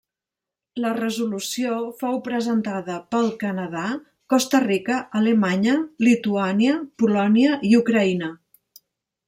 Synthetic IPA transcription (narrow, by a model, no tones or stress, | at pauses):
lərəzulusiofowpɾəzənt̪aðəpəlˠkənəða | kɔst̪ərikəʔːləmaɲəlit̪uaniəpulɔniəʔiukɾəinə